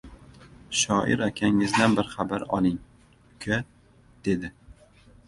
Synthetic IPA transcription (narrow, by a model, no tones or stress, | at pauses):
ʃɒʔɪ̰ɾakʲʰaŋɪzd̪anbɪɾχabaɾɒ̰lˠɪŋ | kʲʰa | d̪̥e̞d̪ɪ